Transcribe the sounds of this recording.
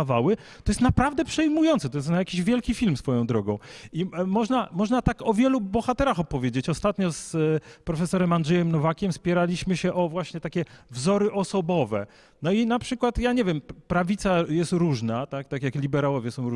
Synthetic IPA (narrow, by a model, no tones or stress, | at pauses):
avawɘ | t̪ɔjɛst̪napɾavd̪ɛpʂɛjmujɔnt̪sɛt̪ɔjɛst̪najakʲiʑvʲjɛlkʲifʲilmsfɔjɔ̃w̃d̪ɾɔɡɔ̃w̃imɔʐnamɔʐnat̪akɔvʲjɛlubɔxat̪ɛɾaxɔpɔvʲjed͡ʑet͡ɕɔst̪at̪ɲɔspɾɔfɛsɔɾɛmandʐɛjɛmnɔvakʲɛmspʲjɛɾalʲiɕmɘɕɛʔɔvwaɕɲɛt̪akʲɛvzɔɾɘʔɔsɔbɔvɛ̰ | nɔinapʂɘkwat̪jaɲɛvʲjɛmpɾavʲit̪sajɛst̪ɾuʐnat̪akt̪akʲjaklʲibɛɾawɔvʲjɛsɔ̃w̃ɾu